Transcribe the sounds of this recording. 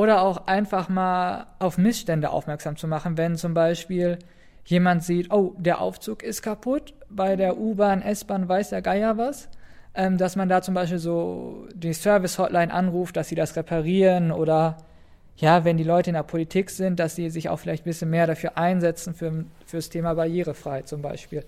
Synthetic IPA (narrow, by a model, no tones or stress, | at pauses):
ʔoːɾɐaʊxʔaɪnfaχmaːlʔaʊfmɪsʃtɛndəʔa̰ʊfmɛɐkz̥aːmt͡sumaχn̩vɛnt͡sʊmbaɪʃpiːl | jeːmantz̥iːtʔoːd̥eːɐʔa̰ʊft͡suːkɪstkʰapʰʊt | b̥aɪdeːɐʔuːbaːnʔɛsb̥aːnvaɪsj̥aːɡaɪjavasʔɛːmdasmandaːt͡sʊmbaɪʃpiːlzoːd̥iːsœɐvɪshɔtlʔaɪnʔa̰nʁuːft̚d̥asz̥iːdasʁepʰaʁiːʁənʔoːɾɐ | jaːvɛndiːlɔʏtəɪndeɐpʰolitʰiːkz̥ɪnt̚d̥asz̥iːzɪça̰ʊxfɪlaɪçt̚b̥ɪsçənmeːɐɾafyːɐʔaɪnzɛt͡sn̩fyːɐfyːɐstʰeːmabaɐjeːʁ̞əfʁ̥aɪhatt͡sʊmbaɪʃpiːl